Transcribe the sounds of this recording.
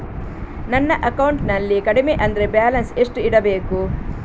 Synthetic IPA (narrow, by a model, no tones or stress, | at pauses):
nɐnːɐʔɐkɐwuɳʈnɐlːikɐɽimeʔɐnd̪ɐɾe̞bjaːlɐnseʂʈuiɽɐbe̞ːku